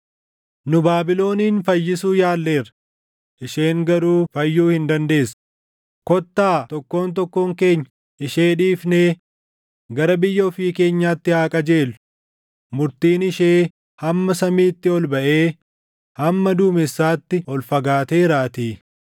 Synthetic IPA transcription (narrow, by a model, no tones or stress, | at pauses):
nʊbaːbɪlo̞ːniːnfɐjːɪsuːjaːlːe̞ːɾɐ | ʔɪʃe̞ːŋɡɐɾuːfɐjːuːhɪnd̪ɐnd̪e̞ːs | kɔt̪ːaːt̪ɔkːo̞ːnt̪̬ɔkːoːŋke̞ːɲːɐ | ʔɪʃeːᶑiːfneː | ɡɐɾɐbɪjːɐɔfiːke̞ːɲːaːt̪ːɪhaːkʼɐd͡ʒeːlːʊ̥ | mʊɾt̪iːnɪʃeː | hɐmːɐsɐmiːt̪ːɪɔlbɐʔe̞ː | hɐmːɐd̪uːmɪsːaːt̪ːɪɔlfɐɡaːt̪e̞ːɾaːt̪iː